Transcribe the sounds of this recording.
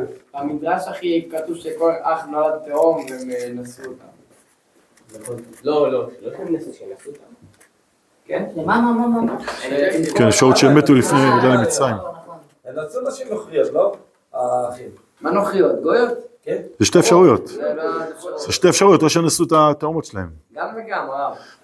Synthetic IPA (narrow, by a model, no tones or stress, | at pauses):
amid̪ʁaʃaχikat̪uvʃekoeχaχnoad̪t̪eomemenasuot̪a̰m | lolooteasut̪a | kenmamamaman | kenefʃaʁut̪ʃeemetulifnevedajlemit͡sʁaimon | enasunaʃimnoχijot̪lo | aχi | manoχijot̪ɡojot̪knzeʃte̞efʃaʁujo̞t̪eazeʃteefʃaʁujo̞t̪loʃenasuet̪at̪eomotʃelahe̞mɡamveɡama